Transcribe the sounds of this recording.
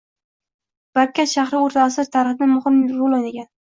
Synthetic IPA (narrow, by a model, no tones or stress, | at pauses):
b̥aɾkʲʰːaʃaχɾɪoɾt̪ʰasɪt̪ʰaɾɨχɪd̪ɪmʊhɪmɾolˠaneɡʲan